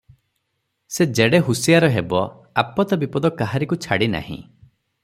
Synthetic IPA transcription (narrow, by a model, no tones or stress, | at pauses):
sed͡ʒeɽeɦusijaɾɔɦebɔ | apɔt̪ɔbipɔd̪ɔkaɦaɾikut͡ʃʰaɽina̰hḭ̃